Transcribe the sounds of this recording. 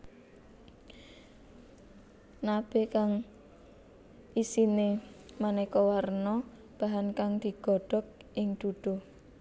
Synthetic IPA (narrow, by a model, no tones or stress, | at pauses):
nab̥ekaŋ | ʔisinemanekɔwarnɔ | b̥a̤ɦankaŋd̪̥i̤ɡ̥ɔ̤ɖ̥ɔ̤k̚ʔɪŋd̪̥ud̪̥ɔ̤